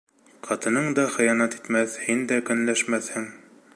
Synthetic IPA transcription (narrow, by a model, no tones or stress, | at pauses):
qʰɑt̪ɤ̆nɤɴd̪ɑχɤ̆jɑnɑt̪i̥t̪mæθhind̪ækɵ̆nlæʃmæθhɘŋ